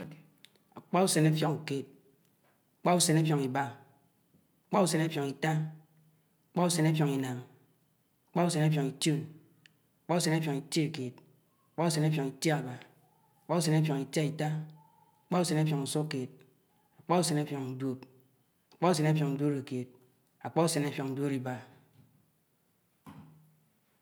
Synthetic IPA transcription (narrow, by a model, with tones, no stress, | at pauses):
a˨k͡pa˦u˦se˨ne˦fjo˨ŋu˨ke˦t̚ | a˨k͡pa˦u˦se˨ne˦fjo˨ŋi˨ba˦ | a˨k͡pa˦u˦se˨ne˦fjo˨ŋi˨ta˦ | aa˨k͡pa˦u˦se˨ne˦fjo˨ŋi˨na˨m | a˨k͡pa˦u˦se˨ne˦fjo˨ŋi˨tu˦˨n | a˨k͡pa˦u˦s̬e˨ne˦fjɔ˨ŋi˨ti˦˨ke˨t̚ | a˨k͡pa˦u˦s̬e˨ne˦pjo˨ŋi˨tje˦a˨ba˨ | a˨k͡pa˦u˦se˨ne˦p̬jo˨ŋi˨ta˦i˨ta˦ | a˨k͡pa˦u˦se˨ne˦p̬jo˨ŋu˨so˦ke˨t̚ | a˨k͡pa˦u˦se˨ne˦fjɔ˨ŋn̩˨dwo˦p̚ | a˨k͡pa˦u˦se˨ne˦pjɔ˨ŋn̩˨do˦ɾe˨ke˨t̚ | a˨k͡pa˦u˦se˨ne˦pjɔ˨ŋn̩˨do˦ɾi˨ba˨